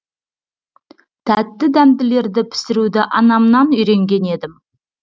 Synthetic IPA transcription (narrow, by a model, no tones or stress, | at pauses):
t̪ʰæt̪ːɪd̪æmd̪ɪle̞ɾd̪ɪpʰɪ̥sɪɾud̪ɪʔɑnɑmnɑnʏjɾe̞ŋɡʲe̞ne̞d̪ɪm